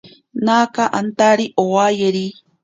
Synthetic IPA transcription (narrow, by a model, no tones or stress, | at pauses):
naːkaʔant̪aɾiʔowajeɾi